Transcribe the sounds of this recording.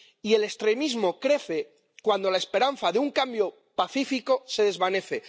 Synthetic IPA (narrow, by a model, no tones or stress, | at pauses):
ie̞le̞st̪ɾe̞mizmo̞kɾe̞θe̞ | kwand̪o̞lae̞spe̞ɾan̟θaðeuŋkambjo̞ | paθifiko̞se̞ð̞e̞zβane̞θe̞